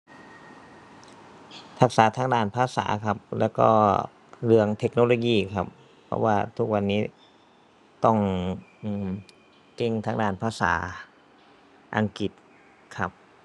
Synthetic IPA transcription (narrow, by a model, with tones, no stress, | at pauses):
t̪ʰa˦˥k̚saː˩˦t̪ʰaː˦˥ŋdaː˥˩npʰaː˧˩sa̰ː˩˦kʰa˧˥p̚lɛː˦˧˥wkɔ̰ː˧˩ | lɯ˧˩əŋt̪ʰe˦˥k̚noː˧˩loː˧˩jiː˧˩kʰa˧˥p̚ʰː | ɔ̰˧waː˧˩t̪ʰu˦˥k̚wa˧nːiː˦˥ | t̪ɔ˧˩ŋʔɯː˧˩m | ke˧˥˩ŋt̪ʰaː˦˥ŋdaː˧˥˩npʰaː˧˩sa̰ː˩˦ | ʔa˧ŋki˨˩t̪̚ | kʰa˦˥p̚